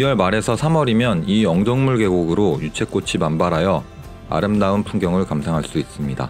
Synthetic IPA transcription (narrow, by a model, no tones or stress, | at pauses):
iwʌɭmaɾe̞sʰʌsʰamʌɾimjʌniʌŋd͡ʑʌŋmuɭɡe̞ɡoɡɯɾojut͡ɕʰe̞k͈ot͡ɕʰimanbaɾɦajʌ | a̰ɾɯmdaunpʰuŋɡjʌŋɯɭkamsʰaŋɦaɭs͈uis͈ɯmɲida̰